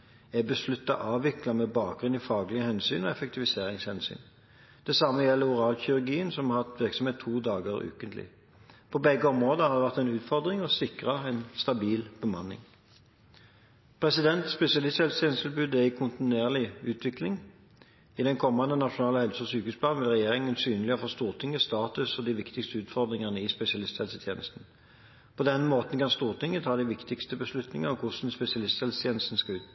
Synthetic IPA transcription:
ɛbəslʉt̪ːɑ̰ʔɑːʋɪklɑmebɑːk̚ɡʁʉniːfɑːɡlɪəhɛnsyːnɔɛfɛk̚t̪ʰɪʋɪseːʁɪŋshɛnsy̰ːn | d̪̥ɛsɑmːəjɛlːəʊʁɑːlçʏɾʉɾɡiːənsɔmhɑt̪ʋɪʁksɔmheːt̪ʰːuːd̪ɑːɡəʁʉ̰ːkənt̪lɪ̰ | pʰɔbɛɡːəɔmʁoːd̪əhɑɾd̪ɛʋæʁt̪ɛnʉːt̪fɔʁd̪ʁɪŋɔsɪkʁɑɛnst̪ɑbiːlb̥əmɑnːɪ̰ŋ | pʰʁɛsɪd̪ɛnt̪spɛsɪɑlɪst̪hɛlst̪ʰɛːnəst̪ʰɪlbʉːd̪æɪkʰʊnt̪ɪneːʁlɪʉːt̪ʰʋɪklɪŋ | ɪd̪ɛnkʰɔmːɑnd̪ənɑʂʊnɑːləhɛlsəɔsyːkhʉːspʰlɑːnʋɪlʁɛjeːʁɪŋənsyːnəlɪəfɔʁst̪uːʁt̪ʰɪŋːəst̪ɑːt̪ʉsɔd̪iʋɪkt̪ɪkst̪əʉːt̪fɔʁd̪ʁɪŋɑnəɪspɛsɪɑlɪst̪sɛlsət̪ʰjeːnəst̪n̩ | pʰɔd̪ɛnmoːt̪ən̩kɑnst̪uːʁt̪ʰɪŋːət̪ʰɑːd̪ɪʋɪkt̪ɪkst̪əbəslʉt̪nɪŋɑɔkʰʊʂn̩spɛsɪɑlɪst̪hɛlsət̪ʰjeːnəst̪n̩skɑʉːt̪̚

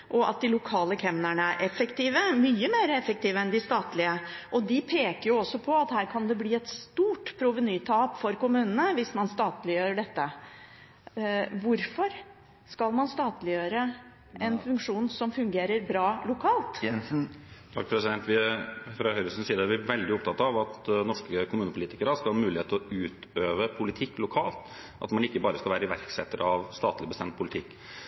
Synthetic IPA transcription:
ʔɔʔɑ̰t̪̚d̪ɪlʊkʰɑːləkʰɛmnæɳəæɾʔɛfːəkt̪iːʋəmyːəmeːɾəɛfək̚t̪iːʋəɛnd̪ɪst̪ɑːt̪lɪəʔɔd̪ɪpʰeːkəɾjʊɔsːɔpʰɔɑt̪hæːɾkʰɑnd̪ɛbliːɛt̪st̪uːʈpʰɾʊʋənyːt̪ʰɑːpfɔɾkʊmʉːnənəʋɪsmɑnst̪ɑːt̪lɪjøːɾəɖɛt̪ːə | ʋʊɾfɔɾ | skɑlmɑnst̪ɑːt̪lɪjøːɾə | ʔɛnfʉŋkʂuːnsɔmfʉŋɡeːɾəɾbɾɑːlʊkʰɑːlt̪ | d̪ʰɑkpʰɾɛsɪd̪ɛnt̪ʋɪfɾɑhœʏɾəsən̩siːəd̪əʋɪʋɛld̪ɪɔpt̪ʰɑt̪ːɑʋɑt̪nɔʂkəkʰʊmʉːnəpʰʊliːt̪ɪkəɾəɑskɑlhɑːmʉːlɪheːt̪ʰlɔʉːt̪øːʋəpʰʊlɪt̪ʰɪkːlʊkʰɑ̰ːlt̪ | ʔɑ̰t̪mɑnɪkːəbɑːɾəskɑlʋæːɾəɪʋæ̰ɾksɛ̰t̪ːəɾɑʋst̪ɑːt̪lɪbəst̪ɛmt̪̚pʰʊlɪt̪ʰɪkː

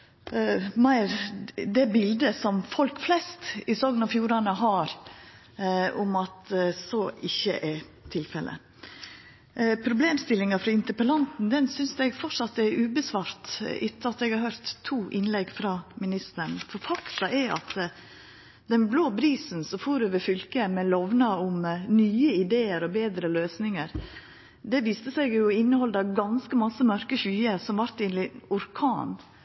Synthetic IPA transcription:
mæɪɾd̪ɛbɪld̪əsɔmfɔlkflɛst̪ɪsɔɡnɑfjuːɾɑnəɦɑɾ | ʊmɑt̪soːɪçːə̰ʔɛ | t̪ʰɪlfɛlʔə̰ | pʰɾʊbleːmst̪ɪlːɪŋɑfɾɑɪnt̪əpəlɑnt̪n̩d̪ɛnsʏnsɛɡfɔʈʂɑt̪ɛɾʉːbəsʋɑːɾt̪ʔɪt̪ːəɑt̪ɛɡhɑɾhøːɾt̪ʰːuːʔɪnlɛɡːfɾɑːmɪnɪst̪əɳfɔɾfɑkt̪ɑʔɛɑ̰t̪ | d̪ɛnbloːbɾiːsn̩sɔfuːɾøːʋəɾfʏlkəmɛlɔʋnɑʊmnyːəɪd̪eːəɾɔbeːd̪ɾəløːsnɪŋəɾ | d̪ɛʋiːst̪əsɛɪɡjʊɪnːəhɔld̪ɑɡɑnskəmɑsːəmœɾkəçyːəɾsɔmʋɑɾt̪ɪnlɪʊɾkʰɑːn

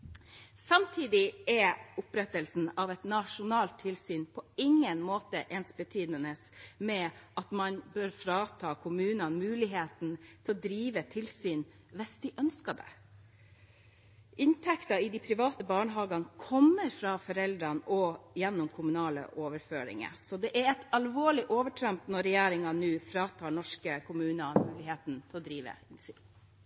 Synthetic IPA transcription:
sɑmt̪ʰiːd̪ɪɛʊpɾɛt̪əlsn̩ɑʋɛt̪nɑʂʊnɑːlt̪ʰːɪlsyːnpʰɔɪŋːənmoːt̪əʔɛːnsbət̪ʰyːd̪nənəsmɛʔɑt̪mɑnbøːɾfɾɑːt̪ʰɑːkʰʊmʉːnɑnmʉːlɪɦeːt̪n̩t̪ʰɪlɔd̪ɾiːʋət̪ʰɪlsyːn | ʋɛsd̪ɪʔœnskɑd̪ɛ̰ | ʔɪnt̪ʰɛkt̪ɑɪd̪ɪpʰɾɪʋɑːt̪əbɑːɳəɦɑːɡɑnkʰɔmːəɾfɾɑfɔɾɛld̪ɾɑnɔjɛnːʊmkʰʊmʉnɑːlə̰ʔoːʋəɾføːɾɪ̰ŋə̰sɔd̪ɛʔæɾɛt̪ɑlʋoːɭɪʔoːʋəʈʰɾɛmt̪nɔɾːɛjæːɾɪŋɑnʉːfɾɑːt̪ʰɑːɳɔʂkəkʰʊmʉːnɑmʉːlɪheːt̪nt̪ʰɪɛlɔd̪ɾiːʋə̰ɪnsy̰ːn

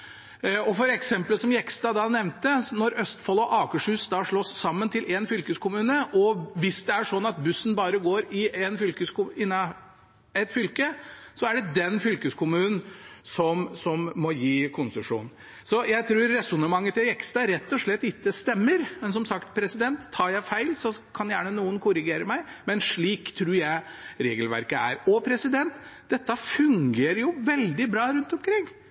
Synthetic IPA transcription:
ɔfɔɾɛksɛmpləsɔmjɛkst̪ɑːd̪ɑnɛʋnt̪ənɔɾœst̪fɔlɔʔɑːkəʂhʉːsd̪ɑːʂɭosːɑmːənt̪ʰɪlʔeːnfʏlkəskʰʊmʉːnəʔɔʋɪsd̪ɛæʂɔnːɑt̪̚bʉsːn̩bɑːɾəɡoːɾɪɛnfʏlkəskʊɪnːɑ | ɛt̪fʏlkəsɔæɖɛd̪ɛnfʏlkəskʰʊmʉːnn̩sɔmsɔmːɔjiːkʰʊnsəʂṵːnn̩ | sɔjæɪt̪ʰɾʉːɾːɛsʊnəmɑŋːət̪ʰɪɛkst̪æɾɛt̪ːɔʂɭɛt̪ːɪt̪ːəst̪ɛmːəɾmɛns̬ɔmsɑkt̪pʰɾɛsɪd̪ɛnt̪ʰːɑːɾjæɪfæɪlsɔkʰɑnjæːɳənuːənkʰʊɾɪɡeːɾəmæɪmɛnʂɭiːkt̪ʰɾʉːɾjæɪɾeːɡəlʋæ̰ɾkəæ̰ɾɔpʰɾɛsɪd̪ɛnt̪d̪̥ɛt̪ːəfʉŋɡeːɾəɾjʊʋɛld̪ɪbɾɑːɾʉnt̪ɔmkʰɾɪŋː

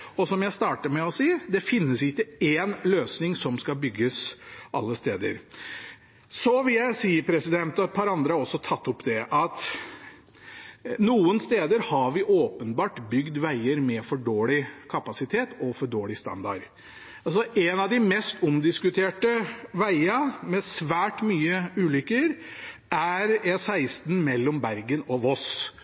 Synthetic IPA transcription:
ɔsɔmjæɪst̪ɑːʈəmɛɔsiːəd̪ɛfɪnːəsɪkːəeːnløːsnɪŋsɔmskɑbʏɡːəsʔɑ̰lːəst̪eːd̪ə̰ɾ | sɔʋɪljæɪsiːəpʰɾɛsɪd̪ɛnt̪ɔɛt̪̚pʰɑːɾɑnd̪ɾəhɑɾɔsːɔt̪ʰɑt̪ːʊpd̪ɛʔɑt̪ | nuːənst̪eːd̪əɾhɑʋɪʔoːpənbɑːʈbʏɡd̪ʋæɪəɾmɛfɔɖoːlɪkʰɑpɑsɪt̪ʰeːt̪ɔfɔɖoːlɪst̪ɑ̰nd̪ɑ̰ɾ | ɑsɔʔɛnɑʋd̪ɪmɛst̪ʊmd̪ɪskʉt̪ʰeːʈəʋæɪɑmɛsʋæːʈmyːəʉːlʏkːəɾ | ʔæɾjæɪsæɪst̪nmɛlːɔmbæɾɡənɔʋɔs

